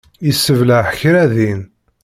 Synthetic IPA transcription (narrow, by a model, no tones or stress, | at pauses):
isːəvləħçɾæðin